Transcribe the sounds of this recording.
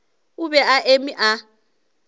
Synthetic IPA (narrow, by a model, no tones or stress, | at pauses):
ubɛaʔemiʔa